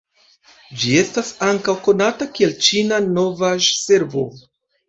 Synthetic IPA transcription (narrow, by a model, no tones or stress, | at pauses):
d͡ʒie̞stasaŋkawko̞natakie̞lt͡ʃinano̞vaʒse̞ɾvo̞̰